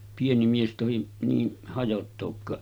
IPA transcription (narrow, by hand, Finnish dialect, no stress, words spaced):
pieni mies tohi niːn hɑjotːoːkːɑːʔ